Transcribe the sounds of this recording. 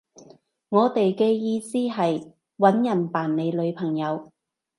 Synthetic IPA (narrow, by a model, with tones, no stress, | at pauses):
ŋɔː˨˧t̪e˨jkɛː˧jiː˧siː˥ɦɐ˨j | wɐ˨˥njɐ˨˩npaː˨˩nne˨˧jlɵ˨˧ɥpʰɐ˨˩ŋjɐ˨˧w